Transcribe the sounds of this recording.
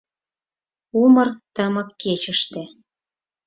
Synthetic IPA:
umɤ̆rt̪əmɤ̆kːet͡ɕə̆ʃt̪ĕ

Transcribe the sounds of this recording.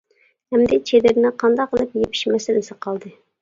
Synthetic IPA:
hɛmd̪ɪt͡ʃʰed̪ɪɾɪnɪqʰɑnd̪ɑqːəlˠɨpjepʰi̥ʃmɛsɪnɪsɨqʰɑlˠd̪ɨ

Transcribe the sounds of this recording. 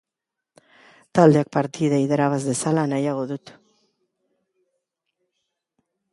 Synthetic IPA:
t̪ald̪e̞ak̚paɾt̪iðaiðaɾaβazðe̞salanajaɣ̞o̞ðut̪

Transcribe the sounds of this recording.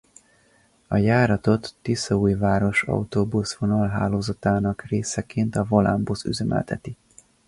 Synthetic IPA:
ɒjaːɾɒt̪o̞t̪ːisɒujvaːɾo̞ʃɒ̰ut̪oːbusvonɒlɦa̰ːloːzɒt̪aːnɒkreːsɛkeːnt̪ɒvola̰mbusy̰zɛmʔɛ̰lt̪ʰɛ̰t̪i

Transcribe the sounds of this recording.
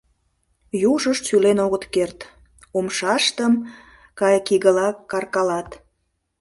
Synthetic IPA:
juʒəʃsylenoɣət̪kert̪ | omʃɑʃt̪əm | kɑjkiɣəlɑkːɑrkɑlɑt̪

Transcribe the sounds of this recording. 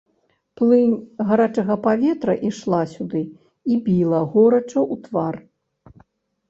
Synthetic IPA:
plˠɨnʲɣaɾat͡ʂɐɣɐpavʲɛt̪ɾɐʔiʂlˠasʲud̪ɨ | ibʲilˠɐɣɔɾɐt͡ʂɐʔut̪var

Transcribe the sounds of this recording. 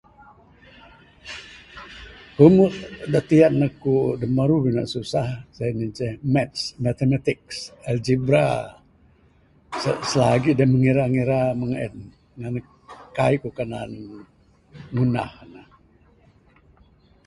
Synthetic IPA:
kumut̪daʔt̪ianːakudəmaɾubina̰ʔsusahsajnit͡ʃɛhmɛt̪̚smat̪emat̪ik̚sɛld͡ʒibɾa | səsəlaɡiʔdaməŋiɾaŋiɾaməŋɛ̰t̪̚ | ŋana | kaikukanan | ŋuna̰hna

